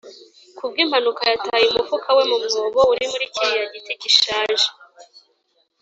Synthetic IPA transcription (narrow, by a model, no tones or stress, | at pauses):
kubɡim̥hanukajataːjiumufukʰawe̞mumŋoːβouɾimuɾiciɾijaɟiticiʃaːʒe̥